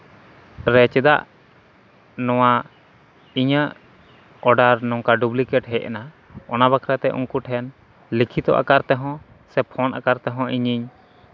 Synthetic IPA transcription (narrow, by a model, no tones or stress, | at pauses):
ɾɛt͡ʃɛd̪a̰ʔ | nɔw̃a | iɲəʔ | ɔɖaɾnɔŋkaɖublikɛʈɦɛjʔɛ̰na | ɔnabakʰɾat̪ɛʔṵŋkuʈɦɛn | likʰit̪ɔ̰ʔa̰kaɾt̪ɛɦɔ̃ | sɛpʰɔnʔa̰kaɾt̪ɛɦɔ̃ʔiɲiɲ